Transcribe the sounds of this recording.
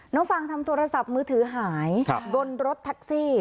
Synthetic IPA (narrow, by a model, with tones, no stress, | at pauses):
nɔː˦˥ŋfa˧˩ŋt̪ʰa˧mt̪ʰoː˧ɾa˧sa˨˩p̚mɯː˧t̪ʰɯː˩˦ɦaː˩˦jkʰɡo˧nɾo˦˥t̪ʰːa˦˥k̚siː˥˩